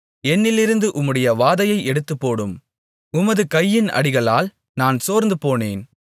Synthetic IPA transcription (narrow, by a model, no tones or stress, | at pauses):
ɛnːɪlɪɾɯnd̪ɯʔʊmːɯɽɐjɐʋaːðɐjɐɪɛɽɯt̪ːɯpːoːɽɯm | ʊmɐðɯkɐjːɪnɐ̰ɽɪɣɐɭaːl | naːnsoːɾnd̪ɯpoːneːn